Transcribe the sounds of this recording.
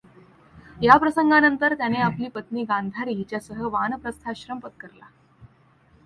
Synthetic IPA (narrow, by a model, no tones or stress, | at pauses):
japɾəsəŋɡanənt̪əɾt̪janeapliːpət̪niːɡãnd̪ʱaɾiːt͡ɕjasəɦəʋanəpɾəst̪ʰaɕɾəmpət̪̚kəɾla